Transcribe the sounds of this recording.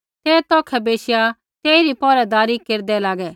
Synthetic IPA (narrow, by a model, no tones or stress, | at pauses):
t̪ɛːt̪ɔːkʰɛbeːʃja | t̪eːiɾipɔːɾɛd̪aːɾikeːɾd̪ɛlaːɡɛː